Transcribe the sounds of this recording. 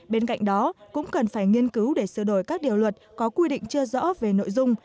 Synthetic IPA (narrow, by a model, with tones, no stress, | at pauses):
ɓe˧nka̰˧˨jŋ̟ɗɔ˨˦kʊ̰˧˥ŋ͡mkə˨˩nfaː˧˩jŋi˧ənkɨ˨˦wɗe˧˩sɨ˧˩ɗo˧˩jkaː˦˥k̚ɗi˨˩əwlwə˨˩t̚kɔ˨˦kwi˧ɗḭ̈˧˨ŋ̟t͡ɕɨ˧əzɔ̰˧˥ve˨˩no̰˧˨jzʊ˧ŋ͡m